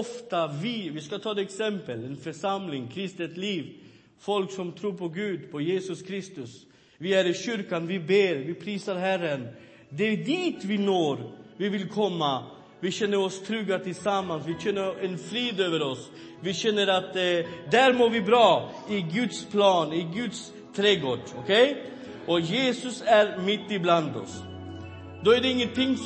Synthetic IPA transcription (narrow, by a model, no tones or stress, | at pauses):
ɔft̪avɪvɪskat̪ʰɑːd̪ɛksɛmpəlɛnfœʂamlɪŋkʰɾɪst̪ət̪liːv | fɔlksɔmt̪ʰɾuːɾpʰɔɡʉ̟ːd̪pʰɔjeːsɵskʰɾɪst̪ɵs | vɪæɾɪɕʏɾkanvɪbeːɾvɪpʰɾiːsaɾɦærːən | d̪ɛd̪iːt̪vɪnoːɾvɪvɪlkʰɔmːa | vɪɕɛnːəɾɔst̪ʰɾʉːɡat̪ʰɪlsamːansvɪɕɛnːəɾɛnfɾiːd̪øːvəɾɔs | vɪɕɛnːəɾat̪d̪æɾmoːɾvɪbɾɑː | ɪɡɵd̪spʰlɑːnɪɡɵd̪s | t̪ʰɾeːɡoːɖɔkʰɛj | ʔɔjeːsʊsæɾmɪt̪ːɪbland̪ɔ̰s | d̪oːæɖɛɪŋːənt̪ɪŋː